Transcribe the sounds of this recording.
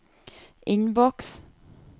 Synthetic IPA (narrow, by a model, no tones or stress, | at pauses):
ʔɪnbɔks